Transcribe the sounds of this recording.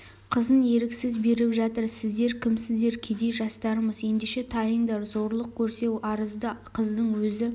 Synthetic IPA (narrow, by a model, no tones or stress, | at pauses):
qʰəzənje̞ɾɪksɪzbe̞ɾɪpʒɑt̪əɾsɪzd̪e̞ɾkʲʰɪmsɪzd̪e̞ɾkʲʰe̞d̪e̞jʒɑst̪ɑɾəməzje̞nd̪eʃe̞t̪ʰɑjəɴd̪ɑɾzo̞ɾlˠəq̚kʲʰɵɾse̞wɑɾəzd̪əqʰəzd̪əɴwɵzɪ